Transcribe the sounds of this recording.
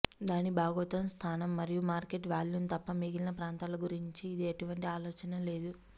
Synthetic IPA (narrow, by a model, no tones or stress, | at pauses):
d̪aːnibaːɡɐɐt̪ɐmst̪ʰaːnɐmːɐɾijumaːɾkeʈʋaːljunt̪ɐpːɐmiɡilɐnɐpɾaːnt̪aːlɐɡuɾiɲt͡ʃiːd̪ieʈuʋɐɳʈiaːlɔːt͡ʃɐnɐle̞ːd̪u